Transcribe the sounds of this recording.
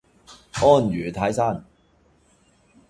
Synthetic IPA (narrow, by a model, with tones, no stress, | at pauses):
ʔɔː˥˩njyː˨˩t̪ʰaː˨˥jsaː˥˨n